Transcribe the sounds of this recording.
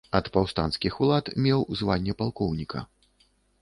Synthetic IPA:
ɐt̪pawst̪anskʲixulˠat̪mʲɛwzvanʲːɛpalˠkɔwnʲikɐ̰

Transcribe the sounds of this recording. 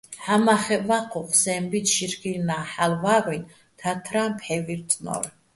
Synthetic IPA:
ħamaχɛvaqʰɔqʰʼsɛmbit̪ʃiɾkʼilnaħalvaɾin | t̪ʰat̪ʰɾampʰħɛviɾt̪ʰʼnɔ̰ɾ

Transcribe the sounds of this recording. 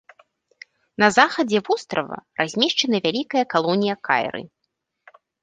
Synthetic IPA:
nɐzaxɐd͡zʲɛvust̪ɾɐ̰vɐ̰razʲmʲɛʂt͡ʂɐnɐvʲalʲikɐjɐkalˠɔnʲijɐka̰j̰ɾɨ̰

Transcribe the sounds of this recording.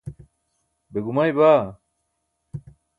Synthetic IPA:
beɡumajbaː

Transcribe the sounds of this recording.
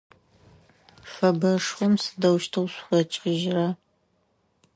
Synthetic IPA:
fɐbɐʂχʷɔmsɨ̥dɐwʃtʰɨwɕʷχɐt͡ʃʼɪʒra

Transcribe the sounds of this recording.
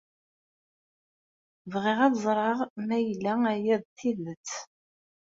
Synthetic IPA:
vʁɪʁæðzˤɾˤɑʁmæjlːææjæðˤθiðət͡sː

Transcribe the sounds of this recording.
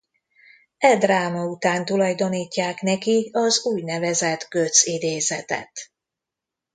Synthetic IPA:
ɛd̪raːmɒut̪aːnt̪ulɒjd̪o̞niːcːaːknɛkiɒzuːjnɛvɛzɛt̪ɡø̞t̪sid̪eːzɛt̪ɛ̰t̪

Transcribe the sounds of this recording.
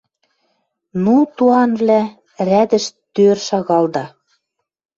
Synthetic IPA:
nut̪uɑnvlæ | ræd̪ɘ̆ʃt̪ørʃɑɣɑld̪ɑ

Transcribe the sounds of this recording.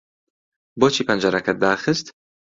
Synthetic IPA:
boːt͡ʃʰiːpʰɐnd͡ʒɐɾɐkʰɐt̪̚d̪aːxɨst̪

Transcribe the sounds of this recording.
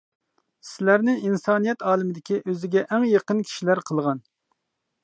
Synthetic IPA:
sɪlæɾnɪinsɑːnijɛt̪ʰɑːlˠɪmɪd̪ɪkʲiʔøzɪɡʲɛʔɛŋjɑqənkʲʰi̥ʃilæɾqʰəlˠʁɑn

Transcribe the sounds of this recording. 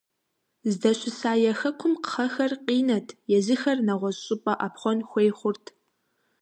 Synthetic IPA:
zdɐɕʼɪsaːjɛxɐkʷʰʊmqə̥χɐxɐrqʼiːnɐtʰjɛzɨxɐrnɐʁʷɔzɕʼɪpʼɐʔapχʷɔnxʷejχʷʊrtʰ

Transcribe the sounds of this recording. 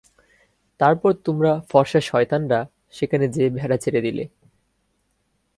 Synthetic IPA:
t̪aɾpɔɾt̪omɾafɔɾʃaʃɔet̪anɾa | ʃekʰaned͡ʑebʱɛɾat͡ɕʰeɾed̪ilḛ

